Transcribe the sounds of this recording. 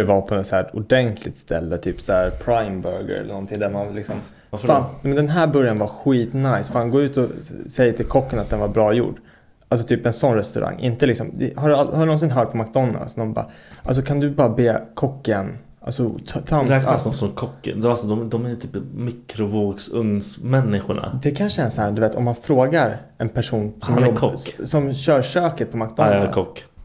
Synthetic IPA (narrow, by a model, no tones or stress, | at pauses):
ɛvapʰɔɛt̪sæːɾʊɖɛnt̪ʰlɪ̰t̪st̪ʰɛ̰lːət̪ʰyːpsæːɾpʰɾajmbœɾɡə̰ɾɛ̰lənɔnt̪ʰɪŋd̪æɾmanlɪksɔm | vafaːnmɛnd̪ɛnɦæːɾbœɾjanvaɧiːt̪najsfaːnɡoːʉ̟ːt̪ɔsɛjːət̪ʰɪlkʰɔkːənat̪̚d̪ɛnvaɾbɾɑːjṵːɖ | ʔalsɔt̪ʰyːpɛnsɔnɾɛst̪ɵ̰ɾʔa̰ŋːʔɪ̰nt̪əlɪksɔ̰md̪ɛ̰haɖɵalhaɾɵnɔns̬ɪnɦœːʈ̚pʰɔmak̚d̪ɔnːa̰lsnɔnbɑ̰ː | als̬ɔkʰand̪ɵbɑːɾabeːkʰɔkːən | a̰lsɔt̪ʰːt̪ʰaɾkaɔsɔnkʰɔkːə̰d̪alsɔd̪ɔmd̪ɔmɛjt̪ʰyːpmɪkɾʊvoːɡsɵŋsmɛnːɪɧʊɳa̰d̪ɛkʰanʂəɛnshæːd̪ɵveːt̪ɔ̰mːanfɾoːɡaɾ | ɛnpʰæʂuːnsɔmmjɔɔsɔmɕœːɾʂøːkət̪̚pʰɔmakd̪ɔnkʰɔkː